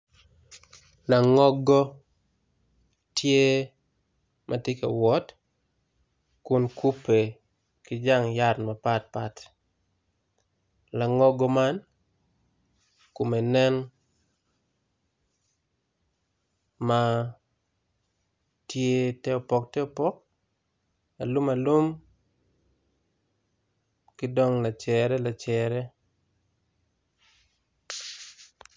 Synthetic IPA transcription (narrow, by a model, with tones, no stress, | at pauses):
la˨ŋɔ˦ɡɔ˦ | tje˦ | mʔa˨te˦kḛ˨wɔ˦t | kʊ˦nku˦pːe˨ | kɪ˦d͡ʒa˦ŋja˦tma˨pa˦t̚pat | la˨ŋɔ˦ɡɔ˦ma˦n | ko˨me˨nɛ˦n | ma | tje˦tɛ˦o˨pɔ˨k̚tɛ˦o˨pɔ˦k̚ | a˨lu˦ma˨lu˦m | kɪ˦dɔ˦ŋla˨t͡ʃɛɾɛ˦la˨t͡ʃɛɾɛ˦